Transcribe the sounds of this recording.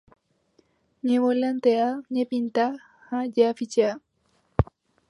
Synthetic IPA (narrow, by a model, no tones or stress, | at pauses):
ɲẽwolant̪eaɲẽpint̪a | had͡ʒeafit͡ʃea